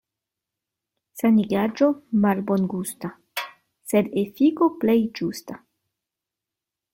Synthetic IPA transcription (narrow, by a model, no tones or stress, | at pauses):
saniɡad͡ʒomalbonɡusta | sedefikoplejd͡ʒusta